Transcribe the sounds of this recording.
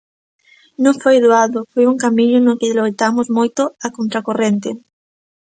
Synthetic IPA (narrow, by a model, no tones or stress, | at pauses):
nõŋfojðuaðofojuŋkamiɲonokelojt̪amozmojt̪oakont̪ɾakorent̪e